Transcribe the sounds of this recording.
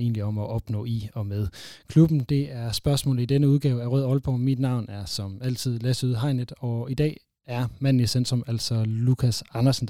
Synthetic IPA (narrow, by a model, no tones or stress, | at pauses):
e̝̰ːnliɒ̽mɒʔɒ̽b̥nɔ̰̽ːiɒ̽með̞ˠkʰlub̥n̩d̥e̝æɐsb̥ɶɐsmɔ̰̽ːlð̩ˠid̥enəuð̞ˠɡ̥ɛ̰ːʊæʁø̰ðˠɒ̽lb̥ɒmmid̥nɑ̈ʊ̰næɐsɒ̽mæl̰t͡sʰið̞̰ˠlæsuðˠɦɑ̈ɪned̥ˠɒ̽id̥ɛ̰ː | æɐmæn̰n̩isend̥ʁɔmæl̰sɒ̽lukʰæsɑ̈nɐsn̩